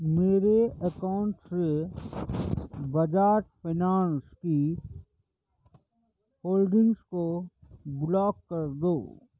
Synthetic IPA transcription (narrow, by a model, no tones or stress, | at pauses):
meːɾeɐkaʊɳʈse | bɐd͡ʒaːʈpʰɪnaːnski | hoːlɖɪ̃ŋɡskoblɔːkːɐɾd̪oː